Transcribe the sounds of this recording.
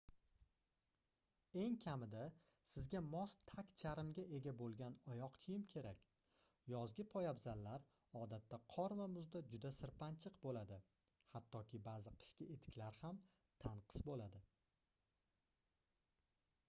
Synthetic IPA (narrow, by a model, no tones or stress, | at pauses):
e̞ŋkʲʰamɪd̪a | sɪzɡʲamɒst̪ʰakʲt͡ʃʰaɾɪmɡʲaʔe̞ɡʲabolˠɡʲanɒjɒqt̪ʰɪjɪmkʲʰe̞ɾakʲ | jɒzɡʲɪpʰɒjabzalːaɾ | ɒd̪at̪ːaqʰɒɾvamʊzd̪ad͡ʒʊd̪asɪɾpant͡ʃʰɪqbolad̪ɪ | hat̪ːɒkʲʰɪbaːzɪqʰɨ̥ʃkʲɪet̪ʰɪ̥kʲlaɾham | t̪ʰaɴqʰɨ̥sbolad̪ɪ